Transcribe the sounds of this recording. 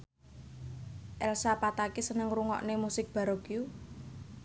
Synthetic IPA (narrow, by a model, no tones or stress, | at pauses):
ʔɛlsapat̪akesənəŋruŋɔ̰ʔnemusɪk̚b̥a̤ɾɔɡ̥ju